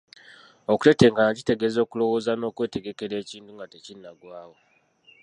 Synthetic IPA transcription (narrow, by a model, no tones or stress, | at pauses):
oku̥te̞te̞ːŋɡanaci̥te̞ɡezo̞ːkulo̞wo̞ːzano̞ːkwe̞ːte̞ɡe̞ke̞ɾe̞ːciːntuŋɡatecinːaɡwaːwo